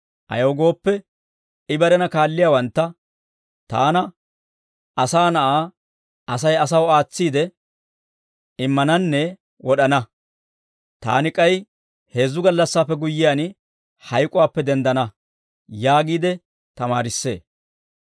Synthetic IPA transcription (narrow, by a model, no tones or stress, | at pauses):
ʔɐ̰jɐwɡo̞ːpːɛ | ɪbɐɾɛnɐkaːlːɪjaːwɐnt̪ːɐ | t̪a̰ːnɐ | ɐsaːnɐʔaː | ɐsɐjɐs̬ɐwaːt͡sːiːd̪ɛ | ɪmːɐnɐnːɛ | wɔɗɐnɐ | t̪a̰ːnɪkʼɐj | he̞ːzːʊɡɐlːɐsːaːpːɛɡʊjːɪjan | hɐjkʼʊwaːpːɛd̪ɛnd̪ɐnɐ | jaːɡiːd̪ɛ | t̪ɐmaːɾɪsːe̞ː